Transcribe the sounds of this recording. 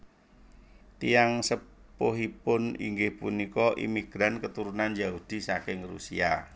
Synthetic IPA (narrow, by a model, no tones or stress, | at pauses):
t̪ijaŋsə | poɦipʊnḭŋɡɪhpunikɔʔḭmiɡ̥ɾankət̪uɾunanjaud̪̥i̤sakɪŋrṵsḭa̰